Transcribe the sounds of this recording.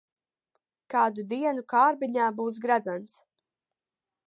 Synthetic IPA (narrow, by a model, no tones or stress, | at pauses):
kaːd̪ud̪iɛnukaːɾbiɲaːbuːs̬ɡɾad̪zant̪s